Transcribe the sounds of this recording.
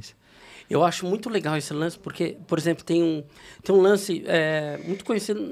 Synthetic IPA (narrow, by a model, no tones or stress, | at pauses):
s | ewaʃʊmũj̃t̪ʊleɡawesɪlɐ̃sɪ̥poɾkepoɾezẽmplʊt̪ẽj̃ũt̪ẽj̃ũlɐ̃sɪɛmũj̃t̪ʊ̥kõɲesid̪ʊ